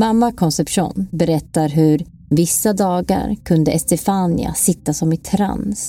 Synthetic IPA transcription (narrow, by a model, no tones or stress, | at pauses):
mamːakʰɔnsɛpʂṵːnbɛɾɛt̪ːaɾɦɵɾ | vɪsːad̪ɑːɡa̰ɾkʰɵnd̪əʔɛst̪ɛfanɪ̰a̰sɪt̪ːasɔmɪt̪ʰɾa̰ns